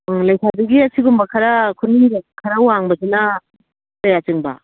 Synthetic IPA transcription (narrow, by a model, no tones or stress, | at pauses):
lɐjsʰadɐɡiɐsʰiɡumbɐkʰɐɾakʰunikʰɐɾauwaŋbɐsinɐ | tɐjat͡ʃɯŋbɐ̰